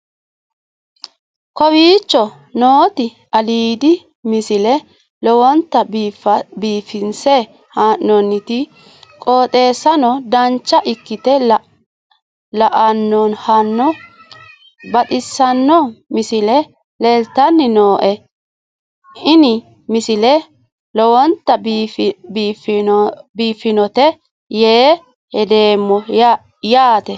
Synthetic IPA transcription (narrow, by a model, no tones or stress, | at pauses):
kɔwiːt͡ʃːɔ | noːt̪ɪ | ʔɐliːd̪ɪ | mɪsɪlɛ | lɔwɔnt̪ːɐ | biːfɪnsɛ | haːʔːɔnːɪt̪ɪ | kʼo̞ːt̪ʼe̞ːsɐnɔd̪ɐnt͡ʃːɐʔɪkːɪt̪ɛ | lɐʔɐnːɔnhɐnːɔ | bɐt̪ʼɪsːɐnːɔmɪsɪlɛ | lɛlt̪ːɐnːɪnoːʔɛ | ɪnɪ | mɪsɪlɛ | lɔwɔnt̪ːɐbbiːf | biːfːɪnɔt̪ɛ | jeː | hɛd̪eːmːɔ | jaːt̪ɛ